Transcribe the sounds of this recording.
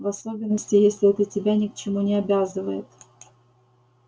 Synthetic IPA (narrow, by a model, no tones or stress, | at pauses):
vɐso̞bʲɪnːəsʲtʲɪjesʲlʲɪɛt̪lʲətʲɪbʲanʲɪkt͡ɕɪmunʲɪɐbʲazɨvəjɪt̪